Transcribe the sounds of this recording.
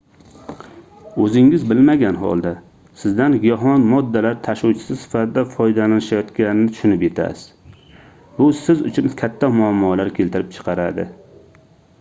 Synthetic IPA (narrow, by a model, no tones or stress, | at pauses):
ɵzɪŋɪzbɪlmaɡʲanɦɒ̰lˠd̪a | sɪzd̪anjɒɦɒnmɒd̪ːalaɾt̪ʰaʃuwt͡ʃʰɪ̥sɪsɪ̥fat̪ʰɪd̪afɒjd̪alanɪʃajɒt̪kʲanɪnɪt̪ʰʊ̥ʃʊnɪpje̞t̪ʰa̰z̥ | bʊsɪzʊ̰t͡ʃʰʊnkʲʰat̪ʰːamʊamːɒlaɾkʲʰe̞lt̪ɪɾɪp̚t͡ʃʰɨ̥qʰɑɾa̰d̪ɪ̰